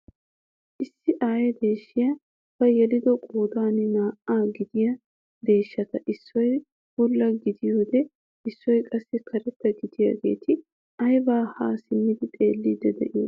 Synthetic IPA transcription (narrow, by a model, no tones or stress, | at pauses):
ʔɪsːɪʔaːjɛd̪e̞ːʃːɪjɐ | b̥ɐjɛlɪd̪ɔkʼoːd̪aːnɪnaːʔaːɡɪd̪ɪjɐ | d̪e̞ːʃːɐt̪ɐʔɪsːɔj | bʊlːɐɡɪd̪ɪjoːd̪ɛ | ɪsːɔjkʼɐsːɛkʰɐɾɛt̪ːɐɡɪd̪ɪja̰ɡe̞̰ːt̪ʰɪ | ɐjbaːhaːsɪmːɪd̪ɪt̪ʼe̞ːlːid̪ɛd̪ɛ̰ʔɪjo̰